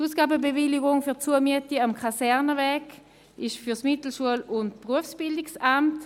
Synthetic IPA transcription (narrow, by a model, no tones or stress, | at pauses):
uːsɡ̥aːbəbevɪliɡʊŋfyɐt͡suəmiətiamkʰasɛʁnəvɛːɡ | ɪʃfyɐsmɪtl̩ʃuəlʊntpʁuəfsb̥ɪldɪksamt